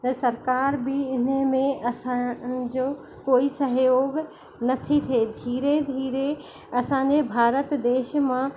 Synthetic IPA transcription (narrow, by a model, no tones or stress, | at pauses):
t̪ɐsɐɾkaːɾbɪɪnəmẽɐsãd͡ʑoː | koːisɐɦjoːɡ | nɐt̪ʰit̪ʰed̪ʱiːɾed̪ʱiːɾe | ɐsãɲ̆d͡ʑebʱaːɾət̪d̪eːʃmã